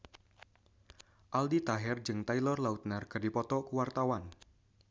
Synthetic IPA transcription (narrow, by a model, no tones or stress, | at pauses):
ʔaldit̪aɦɛrd͡ʒɨŋt̪ailɔrlaut̪̚narkɨrdipɔt̪ɔkəwart̪awan